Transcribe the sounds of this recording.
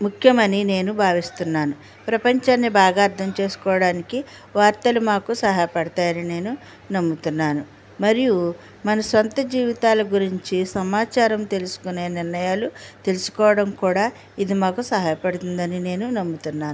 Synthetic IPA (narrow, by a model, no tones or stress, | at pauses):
mukʰjɐmɐnine̞ːnubʱaːʋist̪unːaːnu | pɾɐpɐɲt͡ʃaːnːibaːɡaːɾt̪ʰɐmt͡ʃe̞ːsu̥kɔːʋɐɽaːniki | ʋaːɾt̪ɐlumaːkusɐɦaːjɐpɐɽɐt̪aːjɐnine̞ːnu | nɐmːut̪unːaːnu | mɐɾiju | mɐnɐsɐnt̪ɐd͡ʒiːʋit̪aːlɐɡuɾiɲt͡ʃisɐmaːt͡ʃaːɾɐmt̪e̞lusu̥kune̞ːniɾnɐjaːlut̪e̞lusu̥kɔːʋɐɽɐmkuːɽaː | id̪imaːkusɐɦaːjɐpɐɽut̪und̪ɐnine̞ːnunɐmːut̪unːaːnu